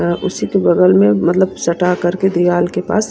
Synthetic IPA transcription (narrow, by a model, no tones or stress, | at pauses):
ʔʊsikebɐɡəlmẽmɐt̪ləbsɐʈakɐɾked̪ijaːlkepa̰ːs